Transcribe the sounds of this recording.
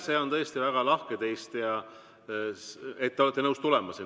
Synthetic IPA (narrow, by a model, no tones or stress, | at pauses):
se̞ːo̞nt̪ɤjst̪ivæɡ̥ɑlɑhket̪e̞jst̪jɑ | et̪ːeoet̪ːˑenɤwst̪ulɛmɑsin